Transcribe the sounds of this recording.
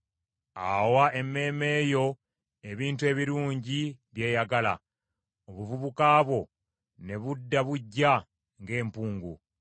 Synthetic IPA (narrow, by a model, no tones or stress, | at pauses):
a̰waʔe̞mːe̞ːme̞ːjo̞ | e̞βiːntue̞ːβiɾuːɲɟiβje̞ːjaɡala̰ | oβuvuβukaːβo̞ | ne̞βudːaβuɟːa | ŋɡe̞ːmpuːŋɡṵ